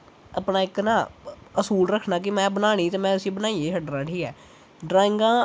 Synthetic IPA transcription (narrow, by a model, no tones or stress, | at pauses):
əpnaːɪknaːəsuːlɾəkʰnaːkɪmɛ̃ːbənaːɽ̃iːt̪eːmɛ̃ːʊsĩːbənaːieːəɖɾaːʈʰiːɛː | ɖɾaːɪ̃ŋɡãː